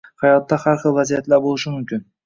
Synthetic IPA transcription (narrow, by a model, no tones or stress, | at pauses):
hajɒt̪ːahaɾχɨlˠvazijat̪laɾbolˠɪʃɪmʊmkʲɪn